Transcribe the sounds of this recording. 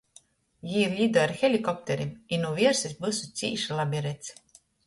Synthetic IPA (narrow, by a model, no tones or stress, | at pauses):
jiːɾlʲid̪ɔɾxɛlʲikɔp̚t̪ɛɾiminuvʲiɛɾsisbɨsut̪sʲḭːʃlˠabʲiɾɛt̪s